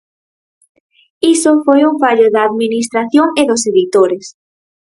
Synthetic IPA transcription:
isofojuŋfaʎoðaːðminis̬t̪ɾaθjoŋeðʊseðit̪oɾes

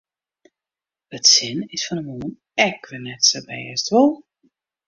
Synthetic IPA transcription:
ətsɪnɪsfɔnəmoən | ɛkʋɪnɛtsəbɛ̰ːstʋolˠ

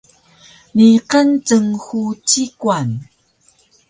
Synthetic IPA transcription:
niqənt͡səŋxut͡ɕikwan

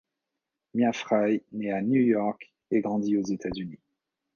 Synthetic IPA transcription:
mjafχajnɛanjujɔʁk | ɛɡʁɑ̃d̪iozet̪azyni

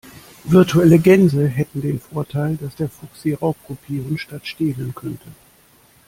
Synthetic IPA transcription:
vɪɐtʰuɛləɡɛnzəɦɛtn̩deːnfoːɐtʰaɪldasd̥eːɐfʊksd̥iːʁaʊp̚kʰupʰiːʁəŋʃtatʃteːlənkʰœntʰə

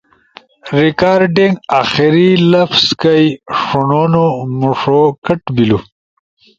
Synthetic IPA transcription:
ɾikaːɾɖiŋɡaːxiɾilɐfskɐjʂunoːnomuʂokɐʈbilu

